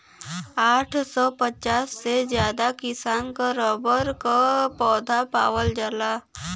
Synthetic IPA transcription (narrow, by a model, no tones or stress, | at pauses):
aːʈʰsɔːpət͡ʃaːsːezjaːd̪akɪsaːnkaɾɔːbəɾkapɔːd̪ʱapa̰ːwəld͡ʒəla